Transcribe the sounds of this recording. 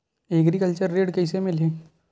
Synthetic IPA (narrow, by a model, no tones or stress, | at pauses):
eːɡɾikəlt͡ʃəɾːeːɖkɛːsemɪlɦeː